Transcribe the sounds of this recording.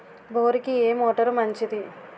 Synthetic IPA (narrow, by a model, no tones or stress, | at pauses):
boːɾikieːmoːʈɐɾmɐɲt͡ʃid̪i